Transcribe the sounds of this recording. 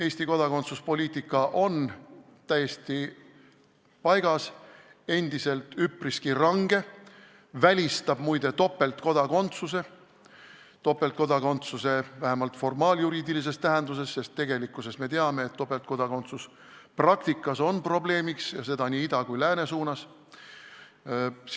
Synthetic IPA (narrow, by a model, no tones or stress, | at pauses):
e̞ːsʲt̪iko̞d̪̥ɑko̞nt̪suspo̞lʲiːt̪ˑikˑːɑʔo̞n | t̪æje̞st̪i | pɑjɡ̥ɑse̞nd̪̥ise̞lt̪ypriskirɑŋɡ̥e̞ | vælʲist̪ɑb̥mujd̪̥e̞t̪o̞pːˑe̞lt̪ko̞d̪̥ɑko̞nt̪suse̞ | t̪o̞pːˑelt̪ko̞d̪ɑko̞nt̪suse̞væɦemɑlt̪ˑfo̞rmɑːljuɾiːd̪ilis̬e̞st̪æɦe̞nd̪̥us̬e̞sːe̞st̪ːe̞ɡ̥e̞likːˑuse̞sme̞t̪e̞ɑme̞ːt̪ːo̞pːelt̪ko̞d̪̥ɑko̞nt̪sus | prɑkt̪ikːˑɑso̞npro̞ble̞ːmiksjɑse̞d̪ɑniːid̪ɑkujlæːne̞suːnɑs